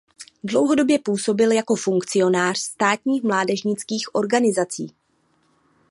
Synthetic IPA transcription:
dlo̞wɦo̞do̞bjɛpuːso̞bɪljako̞fuŋkt͡sɪo̞naːr̝̥st̪aːt̪ɲiːxmlaːdɛʒɲɪt͡skiːxʔo̞ɾɡanɪzat͡siː

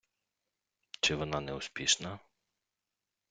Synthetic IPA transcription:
t͡ʃɪʋɔnɑnɛʊspʲiʃnɐ

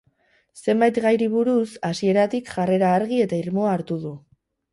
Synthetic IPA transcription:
se̞mbajt̪ɣajɾiβ̞uɾusasie̞ɾat̪ikʝare̞ɾaːɾɣie̞t̪aiɾmo̞aːɾt̪uðu

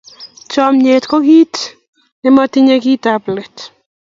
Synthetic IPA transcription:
t͡ʃɔmɲetkɔkit | ɪmɔtiɲekitaplɛt

